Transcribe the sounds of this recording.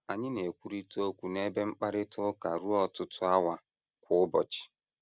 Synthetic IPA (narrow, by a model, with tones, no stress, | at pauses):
a˨ɲɪ˦ne˨kʷu˨ɾi˦to˦kʷu˨ne˦be˦ŋ͡m̩˦k͡pa˦ɾɪ˦tʊ˦ka˨ɾu˦ɔ˦tʊ˦tʰʊ˦a˦wa˨ | kʷʊ˨ʊ˦bɔ˨t͡ʃɪ̥˨